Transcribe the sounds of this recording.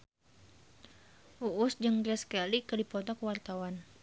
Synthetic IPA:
ʔuʔʊsd͡ʒəŋdiaskalikədipɔt̪ɔkəwart̪awan

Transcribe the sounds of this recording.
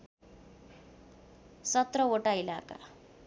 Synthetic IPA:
sʌt̪ɾʌoʈailaka̰

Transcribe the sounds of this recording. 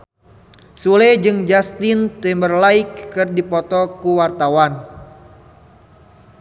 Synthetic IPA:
sulɛd͡ʒɨŋd͡ʒast̪ɪnt̪imbərlaɪkːɨrdipɔt̪ɔkuwart̪awan

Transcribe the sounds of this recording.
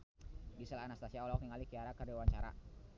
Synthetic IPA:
ɡisalaanast̪asiaulakniŋalikiaɾakərdawaɲt͡ʃaɾa̰

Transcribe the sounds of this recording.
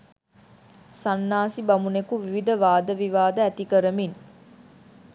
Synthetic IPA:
sanːaːsibamunekuʋiʋid̪əʋaːd̪əʋiʋaːd̪əæt̪ikəɾəmin

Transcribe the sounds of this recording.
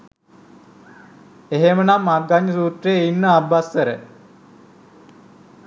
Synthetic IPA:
eɦemənamːarɡaɲːəsuːt̪reinːəabːasʋəɾə

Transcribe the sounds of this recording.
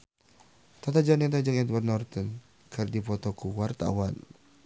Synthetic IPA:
t̪at̪ad͡ʒanɛt̪ad͡ʒəŋɛd̪warnɔrt̪ɔn | kʰərdipɔt̪ɔkuwart̪a̰wan

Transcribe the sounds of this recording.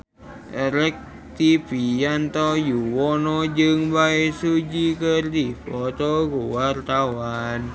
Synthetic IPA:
ʔəɾək̚ | t̪ipijant̪ɔjuwɔnɔd͡ʒɨŋbaesud͡ʒikərd̪ipɔt̪ɔɡuwart̪awan

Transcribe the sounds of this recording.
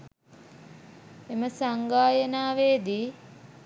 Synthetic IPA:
eməsaŋɡaːjənaːʋeːd̪iː

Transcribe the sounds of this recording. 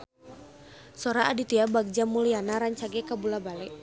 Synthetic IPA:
sɔɾaadit̪iabaɡ̚d͡ʒamulianaɾaɲt͡ʃaɡɛkabulabalɛʔ

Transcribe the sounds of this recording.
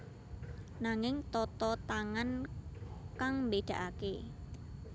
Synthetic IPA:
naŋɪŋt̪ɔt̪ɔt̪aŋan | kaŋmbed̪̥ä̤ʔake

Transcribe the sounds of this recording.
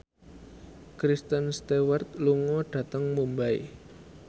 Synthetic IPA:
kɾist̪ənst̪ewərt̪̚luŋɔɖ̥ä̤t̪əŋmumbaḭ

